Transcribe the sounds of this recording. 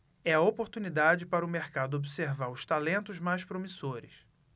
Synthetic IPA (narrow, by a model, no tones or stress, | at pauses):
ɛɐopoɾt̪unid̪ad͡ʒɪpaɾɐʊmeɾkad̪ʊobiseɾvaɾʊʃt̪alẽnt̪ʊzmajʃpɾomisoɾɪ̰s